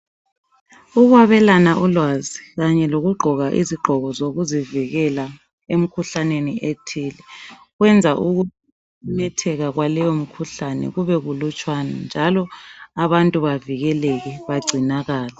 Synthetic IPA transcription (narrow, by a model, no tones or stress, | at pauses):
uɣwaβɛlanaʔulwaziɣaɲɛloɣuɡ͡ǃʱɔɣaʔḭziɡ͡ǃʱɔɣɔzoɣuziviɣɛla | em̩kʰuɬaneniʔetʰiːlɛ | ɣwɛnd͡zʱaʔuɣu | nɛtʰɛɣaɣwalɛjom̩kʰuɬanɛ̰ɣuβɛɣulut͡ʃʼwana̰nd͡ʒʱalɔaβantʼuβaviɣɛlɛɣɛβaɡ͡ǀʱinaɣaːla